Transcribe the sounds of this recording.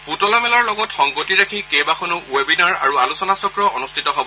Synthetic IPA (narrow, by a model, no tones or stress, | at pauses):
putɔlamɛlaɹlɔɡɔtxɔŋɡotiɹakʰikejbaxʰonuʔuebinaɹa̰ɹualusɔnasɔkɹɔʔɔnustʰitɔɦobɔ